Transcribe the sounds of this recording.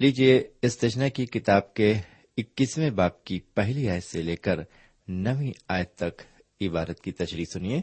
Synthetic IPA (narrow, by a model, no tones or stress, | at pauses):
liːd͡ʒieɪst̪ɐʃnakikɪt̪aːbke | ɪkːismẽbaːp̚kipɛɦliaːjəseleːkəɾ | nɐʋĩaːjət̪ːɐk | ɪbaːɾət̪̚kit̪ɐʃɾisʊnieː